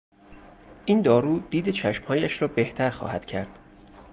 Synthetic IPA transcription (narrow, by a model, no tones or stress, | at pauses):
ʔiːnd̪ɒːɾuːd̪̥iːd̪et͡ʃʰæʃmhɒːjæʃɾɒːbe̞ht̪ʰæɾxɒ̰ːhæd̪̥cʰæɾd̪̥